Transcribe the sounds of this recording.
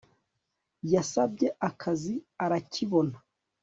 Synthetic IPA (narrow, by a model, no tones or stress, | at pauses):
jasabɟɛʔakʰaziaɾaciβɔna